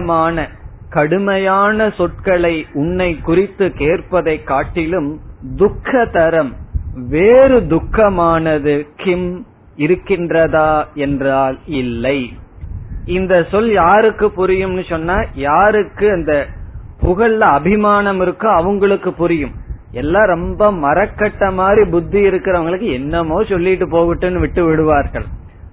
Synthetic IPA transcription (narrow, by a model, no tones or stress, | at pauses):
maːnɐkɐɽɯmɐjaːnɐsɔʈ̚kɐɭɐɪʊɳːɐɪkːʊrɪt̪ːɯkeːrpɐðɐɪkːaːʈːɪlɯmd̪ʊkʰːɐt̪ɐɾɐmʋeːɾɯd̪ʊkːɐmaːnɐðɯkɪm | ɪɾɯkːɪndrɐðaːɛndraːlɪlːɐɪ | ɪnd̪ɐsɔljaːɾɯkːɯpʊɾɪjɯmnːɯsɔnːaːjaːɾɯkːɯɐnd̪ɐpʊɣɐɭlɐɐbʱɪmaːnɐmɪɾɯkːɯɐʋɐŋɡɐɭɯkːɯpʊɾɪjɯmʔɛlːãːɾɔmbɐmɐɾɐkːɐʈːɐmaːd̪ɾibʊd̪ːiɪɾɯkːɪɾɐʋɐŋɡɐɭɯkːɯɛnːɐmoːsɔlːɪʈːɯpoːɣɪʈːɯnːɯʋɪʈːɯʋɪɽɯʋaːɾɣɐ̰ɭ